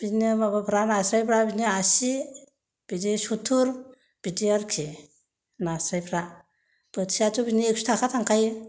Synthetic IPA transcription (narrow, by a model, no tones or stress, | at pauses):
binibabapʰɾanasɾajpʰɾabiniasi | b̥idisutʰuɾ | b̥idiaɾkʰi | nasɾajpʰɾa | b̥ətsiatubinieksu̥tʰakʰatʰaŋkʰaj